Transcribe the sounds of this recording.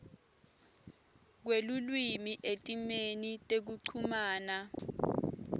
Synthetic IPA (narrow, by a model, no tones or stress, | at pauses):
k̬welulwimiʔetʼimenitʼek̬uǀʰumaːna